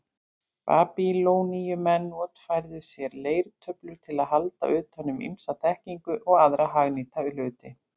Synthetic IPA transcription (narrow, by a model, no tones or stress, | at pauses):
pa̰ːpiloːwnijʏmɛnːɔːt̪fajɾðʏsjɛɾleːjɾt̪ʰœplʏɾt̪ʰɪlaðhalt̪a̰ʔʏːt̪hœnːʏmḭmsat̪ʰɛhciŋkʏʔɔɣaðɾaɦaɣniːt̪aʏlʏːt̪ɪ